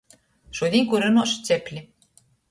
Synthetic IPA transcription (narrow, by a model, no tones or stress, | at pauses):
ʃud̪ʲiŋkuɾɨnoʃt͡seplʲi